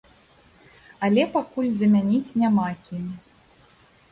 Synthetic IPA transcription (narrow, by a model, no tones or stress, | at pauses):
ɐlʲɛpakulʲzɐmʲanʲit͡sʲnʲamakʲimʲ